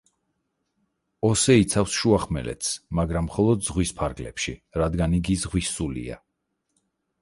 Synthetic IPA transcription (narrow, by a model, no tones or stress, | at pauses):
ɔsɛit̪sʰafsʃuaχmɛ̰lɛ̰t̪ʰsmaɡɾamːχɔlˠɔd̪zʁwispʰaɾɡlɛ̰pʃiɾad̪ɡaniɡizʁwisulḭa̰